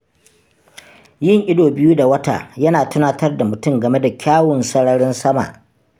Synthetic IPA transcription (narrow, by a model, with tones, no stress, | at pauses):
jɪ˦˨ŋʔɪ˦doː˨bɪ˦ju˦da˨wɐ˦ta̰ː˨jɐ˦naː˨tʊ˦naː˦tɐ˦rda˨mʊ˨tʊ˦˨ŋɡɐ˨me˦da˨kʲaː˦wʊ˨nsɐ˦ɽɐ˦ɽɪ˦nsɐ˦ma̰˨ʔ